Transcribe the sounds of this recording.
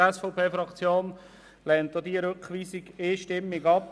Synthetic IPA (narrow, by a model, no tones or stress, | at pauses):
ɛsfoʊpʰeːfɾɑkt͡sjoːn | lɛnt̪ːod̪iəɾøkχʋiːsiɡɪːʃtɪmːɪɡɑp